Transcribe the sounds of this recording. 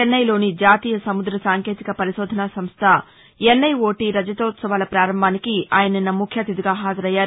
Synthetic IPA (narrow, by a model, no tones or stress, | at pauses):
enːɐjlo̞ːnid͡ʒaːt̪iːjɐsɐmud̪ɾɐsaːŋke̞ːt̪ikɐpɐɾiʃoːd̪ʱɐnasɐmst̪ʰɐ | jenːɐjo̞ːʈiɾɐd͡ʒɐt̪oːt̪sɐʋaːlɐpɾaːɾɐmbʱaːnikiaːjɐnɐnːɐmukʰjɐːt̪id̪iɡaːɦaːd͡ʒɐɾɐjːaːɾu